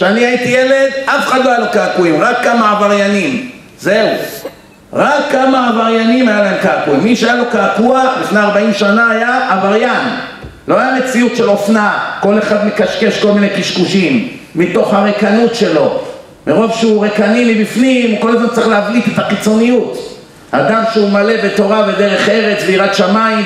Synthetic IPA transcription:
ʃeaniait̪ijele̞d̪afeχad̪loajalokaakuimʁakːamaːvaʁjanim | zeu | ʁakːamaavaʁjanimajalaemkaakuimːiʃeajalo̞kaːkuaχlifneaʁbaimʃanaajaʔːvaʁjan | lo̞ajame̞t͡siutʃe̞lo̞fnako̞le̞χad̪mekaʃke̞ʃko̞lminejkiʃkuʃimːito̞χhaʁekanutʃe̞lo̞ | meʁo̞vʃeuʁekanilibifnimuko̞lazmantt͡saʁiχleavlite̞t̪aχit͡so̞nijut | had̪amʃeumale̞be̞t̪o̞ʁave̞d̪e̞ʁe̞χe̞ʁe̞t͡sveiʁad̪ʃamaim

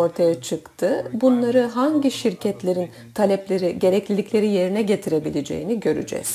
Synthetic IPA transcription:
o̞ɾt̪ʰajat͡ʃʰɯkt̪ʰɯbunlˠaɾɯɦaɲɟiʃiɾcʰɛt̪lʲe̞ɾin | t̪ʰalʲɛplʲeɾiɟe̞ɾɛclʲilʲicʰʲlʲe̞ɾije̞ɾinɛɟe̞t̪ʰiɾe̞bilʲed͡ʒe̞̰jiniɟø̞ɾy̰d͡ʒɛ̰z̥

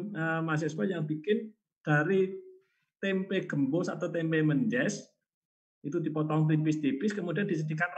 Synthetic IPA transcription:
əmas̬ɛswajaŋb̥ikɪn | d̥aɾi | t̪ɛmpeɡ̥ə̤mbosa̰t̪awt̪ɛmpeməɲd͡ʒɛs | it̪udi̤pɔt̪ɔŋt̪̬ipɪst̪ipɪskəmudiand̥isəd̪ikanr

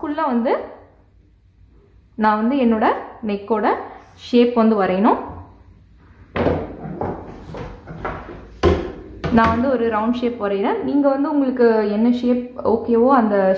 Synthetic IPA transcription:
kʊɭːãʋɐnd̪ɯ | nãːʋɐnd̪ɯɛnːoːɽɐnɛkːoːɽɐʂeːpʋɐnd̪ɯʋɐɾɐjɐnʊ̃ | nãːʋɐnd̪ɯɔɾɯɾɐʊɳɖʂeːpʋɐɾɐɾẽːniːŋɡɐʋɐnd̪ɯʊŋɡɐɭɯkːɯɛnːɐʂeːp̚oːkːeːʋoːɐnd̪ɐ

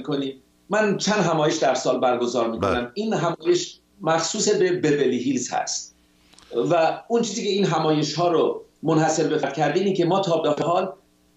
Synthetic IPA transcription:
kʰoni | mænt͡ʃʰænd̪ɦæmɒːje̞ʃd̪æɾsɒːlbæɾɡo̞zɒːɾmiːko̰næmiːnɦæmɒːje̞ʃ | mæxsuːse̞bebebeliɦilzhæ̰st̪ | væunt͡ʃʰiːziːcʰʲe̞iːnɦæmɒːje̞ʃhɒːɾomonhæse̞ɾbefæɾd̪̥kcʰæɾd̪iiːnicʰe̞mɒːt̪ʰɒːbehɦɒːl

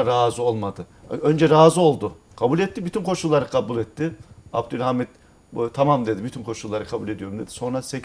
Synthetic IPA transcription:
ɾaːzɯo̞lˠmad̪ɯø̞nd͡ʒɛɾaːzɯo̞lˠd̪ʊ | kʰabulʲɛt̪ːibyt̪ʰynkʰo̞ʃulˠːaɾɯkʰabulʲɛt̪ʰːɪabd̪ylʲhamit̪̚ | t̪ʰamamd̪e̞d̪ibyt̪ʰynkʰo̞ʃulˠːaɾɯkʰabulʲed̪ijo̞ɾumd̪e̞d̪̥i̥so̞nɾase

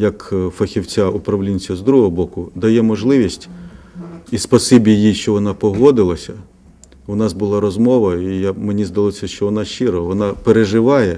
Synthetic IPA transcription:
jɐkfɐxʲiwt͡sʲaʊpɾɐʋlʲinʲt͡sʲɐzd̪ɾuɦɔɦɔbɔkʊd̪ɐjɛmɔʒlˠɪʋʲisʲtʲ | ispɔsibʲijiʃt͡ʃɔʋɔnɑpɔɦɔd̪ɪlˠɐsʲɐ | ʊnɑsbʊlˠɑɾɔzmɔʋɐijamenʲizd̪ɐlˠɔsʲɐʃt͡ʃɔʋɔnɑʃt͡ʃɪɾɔʋɔnɑpeɾeʒɪʋɑjɛ

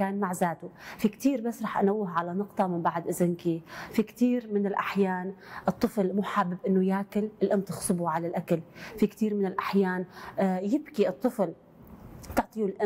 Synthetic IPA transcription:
kaːnmaʕzaːt̪ufikt̪iːɾbasːɾˤɑːħʔanawːɪɦʕalanʊqt̪ˤɑmɪmbaʕd̪ʔɪzɪnkifikt̪iːɾmɪnɪlʔaħjaːnʔɨt̪ˤːɨflmuːħabːɪbʔɪnːʊjaːkɪlʔɪlʔamt̪ɪxsˤɨbuʕalalʔakalfikt̪iːɾmɪnɪlʔaħjaːnjɪbkiʔɨt̪ˤːɨfl | t̪ʊʕt̪ˤijulʔa

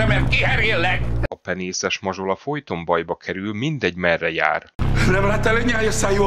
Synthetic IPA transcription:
ɛmɛrt̪̚kihɛɾeːlːɛkɒpɛneːsɛʃmɒʒo̞lɒfo̞jt̪o̞mbɒjbɒkʰɛɾylmind̪ɛɟmɛrːɛja̰ːrnɛmlaːt̪ɛleɲaːjɒsaːju

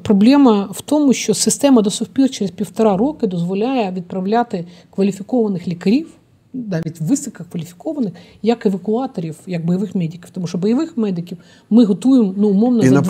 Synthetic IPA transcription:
pɾɔblʲɛmɐwt̪ɔmʊʃt͡ʃɔsɪst̪ɛmɐd̪ɔsʊfʲpʲirt͡ʃɛɾezpʲiwt̪ɐɾɑɾɔkɪd̪ɔzʋɔlʲajɛʋʲid̪̚pɾɐʋlʲat̪ɪkʋɐlʲifʲikɔʋɐnɪxlʲikɐɾʲiw | nɑʋʲitʲʋɪsʲɪkɐkʋɐlʲifʲi̥kɔʋɐnɪx | jɐkeʋɐkʊɑt̪ɔɾʲiwjɐk̚bɔjɐʋɪxmɛdʲikʲi̥wt̪ɔmuʃɔbɔjɐʋɪxmɛd̪ɪkʲiw | mɪɦɔt̪ujemnuːmɔwnɐnd̪

